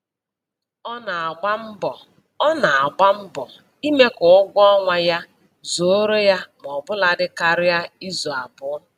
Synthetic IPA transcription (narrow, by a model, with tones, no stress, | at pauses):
ɔ˦na˨a˨ɡ͡ba˦m̩˦bɔ˨ | ɔ˦na˨a˨ɡ͡ba˦m̩˦bɔ˨ | i˦me˦kʊ˨ʊ˦ɡʷɔ˦ŋʷa˨ja˦ | zo˨o˦ɾo˦ja˦m˨ɔ˨bʊ˦la˨dɪ˦ka˨ɾɪ˦ja˦i˦zo˨a˨bʊ˦